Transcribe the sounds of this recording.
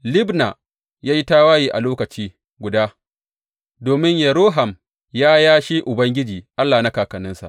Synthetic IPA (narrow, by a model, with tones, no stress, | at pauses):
lɪ˦bna˨ | jaː˦ji˦ta˦waː˦jiː˨ʔa̰˨loː˦kɐ˨t͡ʃiː˦ | ɡʷʊ˨daː˦ | doː˨mɪ˦ɲjɐ˨ɾoː˦ɦa˨m | jaː˦jaː˦ʃi˦ʔʊ˨bɐ˦ŋɡʲɪ˦d͡ʒiː˨ʔa˦lːaː˨na˦kaː˨kɐ˨nɪ˦nsa̰˨ʔ